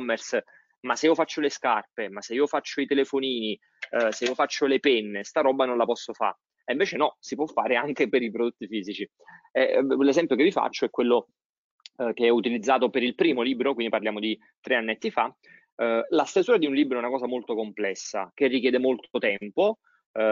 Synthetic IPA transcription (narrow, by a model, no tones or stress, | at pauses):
ɔmːɛrs | masːeiːofat͡ʃːoleskarpemasːeiːofat͡ʃːoit̪elefoniːni | seiːofat͡ʃːolepɛnːest̪aɾɔːbːanõnlapɔsːofa̰ | eiɱveːt͡ʃenɔsipwɔfːaːɾeaŋkepeɾipɾod̪ot̪ːifiːzit͡ʃi | ɛlezɛmpjokevifa̰t͡ʃːoɛkːwelːo | keɛut̪ilid̪zːaːt̪opeɾilpɾiːmoliːbɾokwind̪iparljaːmod̪i | t̪ɾeanːɛt̪ːifa | last̪ezuːɾad̪iunliːbɾoɛunakɔːzamolt̪okomplɛsːa̰kerːikjɛːd̪emolt̪ot̪ɛmpo